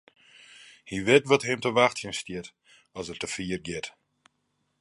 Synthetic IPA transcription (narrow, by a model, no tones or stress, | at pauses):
hiʋɪtʋɔtɦɪmtəʋaxtjɪnstɪt | ɔsərtəfiːərɡɪt